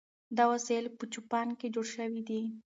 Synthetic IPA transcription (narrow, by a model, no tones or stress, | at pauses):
d̪awaselpət͡ʃupɑnked͡ʒoɽʃəwid̪i